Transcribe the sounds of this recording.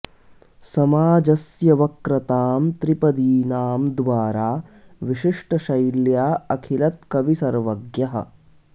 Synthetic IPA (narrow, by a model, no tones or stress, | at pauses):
sɐmaːd͡ʒɐsjɐʋɐkɾɐt̪aːmt̪ɾipɐd̪iːnaːmd̪ʋaːɾaːʋiʃiʂʈɐʃɐjljaːɐkʰilɐt̪̚kɐʋisɐɾʋɐɡjɐɦɐ̰̆